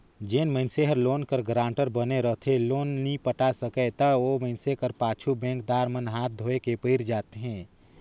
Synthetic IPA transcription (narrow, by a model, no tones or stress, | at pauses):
d͡ʒeːnmə̃ɪnseɦəɾloːnkəɾɡɾãːɳʈəɾbəneɾəɦt̪ʰeloːnnipəʈasəkɛt̪əoːməɪnsekəɾpaːt͡ʃʰubɛ̃ːŋk̚d̪aːɾmənɦaːt̪̚ʰd̪ʱoːekepəɪɾd͡ʒaːt̪eɦɛ̃ː